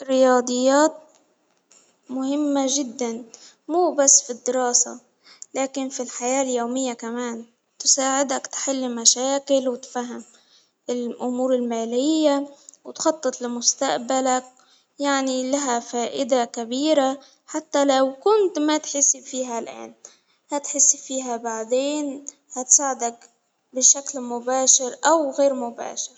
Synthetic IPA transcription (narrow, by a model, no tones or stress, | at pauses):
rːɪjɑːd̪ˤɨjːaːt̪̚ | mʊhɪmːaʒɪd̪ːan | muːbasːfid̪ːɪɾɑːsa̰ | laːkɪnfilħajaːljoːmɪjːakamaːn | t̪ʊ̥saːʕɪd̪akt̪ħɪlːmaʃaːkɪlwɪt̪faɦam | ɪlʔʊmuːɾɪlmaːlɪjːawt̪xɑt̪ˤːɨt̪ˤlɪmʊst̪aʔbalak̚ | jaʕnilaɦafaːʔɪd̪akabiːɾa | ħat̪ːalawkʊnt̪mat̪ħɪsːfiːɦalʔa̰ːn | hat̪ħɪsːfiːɦabaʕd̪eːn | hat̪saːʕɪd̪ak | bɪʃaklmʊbaːʃɪɾʔawɣeːɾmʊba̰ːʃɪɾ